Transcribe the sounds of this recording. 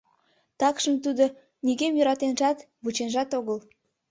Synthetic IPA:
t̪ɑkʃənt̪ud̪o | niɡemjøɾɑt̪enʒɑt̪ | βut͡ɕenʒɑt̪oɣəl

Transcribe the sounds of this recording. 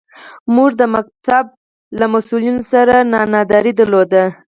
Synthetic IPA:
muʐd̪əmak̚t̪ab̚ | lamasulinosaɾanɑnɑd̪ɑɾid̪əɾlod̪a

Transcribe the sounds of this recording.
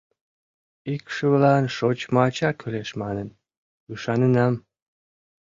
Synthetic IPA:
ikʃəβlɑnʃot͡ɕmɑt͡ɕɑkʰyleʃmɑnən | yʃɑnənɑm

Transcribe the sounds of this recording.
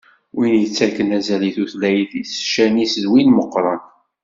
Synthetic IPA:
winjət͡sːækənæzæliθuθlæjəθisʃænisəzwinməqːɾˤɑn

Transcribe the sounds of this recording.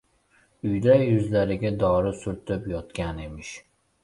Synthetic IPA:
ʊjd̪ajʉzlaɾɪɡʲad̪ɒːɾɪsʊɾt̪ʰɪpjɒt̪kʲanemɪʃ

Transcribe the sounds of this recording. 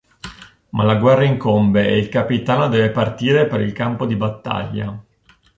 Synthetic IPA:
malaɡwɛrːaiŋkombeeilkapit̪aːnod̪ɛːvepart̪iːɾepeɾilkampod̪ibat̪ːa̰ʎːa̰

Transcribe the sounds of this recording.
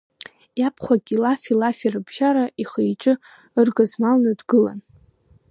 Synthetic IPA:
japʰχʷaɡʲilafilafirɨbʒaɾaiχejʈ͡ʂʼɨ | ɨrɡazmalnɨdɡɨla̰n

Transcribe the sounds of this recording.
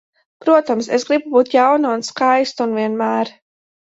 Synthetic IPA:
pɾuɔt̪amsesɡɾibubuːt̪jawnaunskajst̪unviɛnmæːɾ

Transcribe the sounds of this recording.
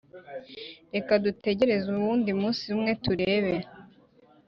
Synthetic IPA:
ɾe̞kadute̞ɟe̞ɾe̞zuβuːndimuːnsiumŋe̞tuɾe̞ːβe

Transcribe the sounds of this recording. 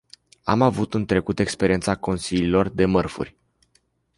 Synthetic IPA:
a̰mavut̪ɨnt̪ɾe̞kut̪e̞kspe̞ɾiet̪sako̞nsililo̞rd̪e̞mərfṵrʲ

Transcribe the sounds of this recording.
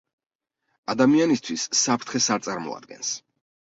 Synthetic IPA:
ad̪amianist̪ʰwisːapʰɾt̪ʰχɛsaɾt̪sʼaɾmɔ̰a̰d̪̚ɡɛ̰ns

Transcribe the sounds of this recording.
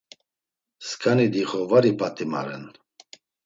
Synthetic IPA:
skʰʼanid̪iχɔvaɾipʼat̪ʼima̰ɾɛn

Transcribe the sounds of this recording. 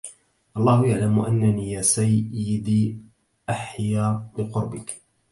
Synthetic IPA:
ʔɑlˤːɑːhʊjaʕlamʔa̰nːaniːjaːsajːɪd̪iː | ʔaħjaːbɪqʊɾbɪk

